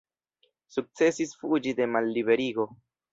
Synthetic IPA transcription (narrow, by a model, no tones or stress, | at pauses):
suk̚t͡se̞sisfud͡ʒide̞malːibe̞ɾiɡo̞